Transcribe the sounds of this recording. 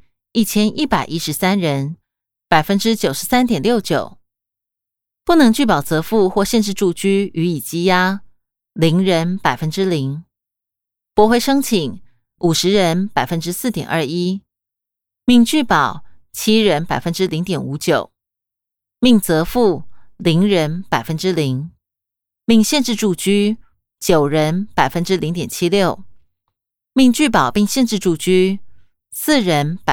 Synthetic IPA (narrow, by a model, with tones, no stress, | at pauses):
i˥˩t͡ɕʰjɛ˥nʔi˥˩pa˨˩ɪʔi˥ʂɻ̩˧˥sa˥nɻə˧˥n | pa˨˩ɪfə˦˥nʈ͡ʂɻ̩˥t͡ɕjo˨˩ʊʂɻ̩˧˥sa˥nt̪jɛ˨˩nljo˥˩ʊt͡ɕjo˨˩˦ʊ | pu˥˩nɤ˧˥ŋt͡ɕy˥˩pɑ˨˩ʊt͡sɤ˧˥fu˥˧xwɔ˥˧ɕjɛ˥˧nʂ̬ɻ̩˥˧ʈ͡ʂu˥˩t͡ɕy˥y˧˥i˨˩t͡ɕi˥ja˥ | li˧˥ŋɻə˧˦˥npa˨˩ɪfə˥nʈ͡ʂɻ̩˥li˧˥ŋ | pwɔ˧˥xwe˥˩ɪʂɤ˥ŋt͡ɕʰi˨˩˦ŋ | u˨˩ʂɻ̩˧˥ɻə˧˦npa˨˩ɪfə˦nʈ͡ʂɻ̩˥sɹ̩˥˩t̪jɛ̰˨˩nʔə˞˥˧i˥ | mi˥˧ŋt͡ɕy˥˩pɑ˨˩˦ʊt͡ɕʰi˥ɻə˧˥npa˨˩ɪfə˦˥nʈ͡ʂɻ̩˥li˧˥ŋt̪jɛ˨˩nu˧˥t͡ɕjo˨˩˦ʊ | mi˥˩ŋt͡sɤ˧˥fu˥˩li˧˥ŋɻə˧˥npa˨˩ɪfə˦˥nʈ͡ʂɻ̩˥li˧˥ŋ | mi˥˧ŋɕjɛ˥˧nʈ͡ʂɻ̩˥˧ʈ͡ʂu˥˧t͡ɕy˥ | t͡ɕjo˨˩ʊɻə˧˦˥npa˨˩ɪfə˦˥nʈ͡ʂɻ̩˥li˧˥ŋt̪jɛ˨˩nt͡ɕʰi˥ljo˥˩ʊ | mi˥˧ŋt͡ɕy˥˩pɑ˨˩ʊpi˥˧ŋɕjɛ˥˧nʈ͡ʂɻ̩˥˧ʈ͡ʂu˥˩t͡ɕy˥ | sɹ̩˥˩ɻə˧˥npa˨